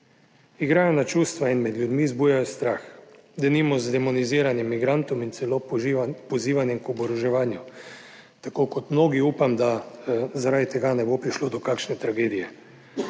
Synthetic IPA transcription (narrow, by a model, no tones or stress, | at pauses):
iɡɾaːjɔnat͡ʃuːst̪ʋainmɛd̪ljud̪mizbuːjajɔst̪ɾaːx | d̪ɛnimɔzd̪ɛmɔniziːɾanjɛmːiɡɾant̪ɔmint̪sɛlopɔziːʋanjɛmkɔbɔɾɔʒɛʋaːnju | t̪akoːkɔt̪mnoːɡiuːpamd̪azaɾaːd̪it̪ɛɡanɛbopɾiʃloːd̪ɔkakʃnɛt̪ɾaɡeːd̪ijɛ